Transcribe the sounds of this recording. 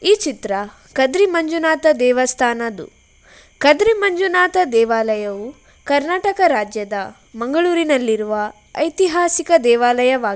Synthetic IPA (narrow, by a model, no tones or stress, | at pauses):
iːt͡ʃit̪ɾɐ | kɐd̪ɾimɐɲd͡ʒunaːt̪ɐd̪ɛːʋɐst̪ʰaːnɐd̪ṵ | kɐd̪ɾimɐɲd͡ʒunaːt̪ɐd̪ɛːʋaːlɐjɐʋu | kɐɾnaːʈɐkɐɾaːd͡ʒjɐd̪ɐ | mɐŋɡɐɭuːɾinɐlːiɾuʋɐ | ɐjt̪iɦaːsikɐd̪ɛːʋaːlɐjɐʋaː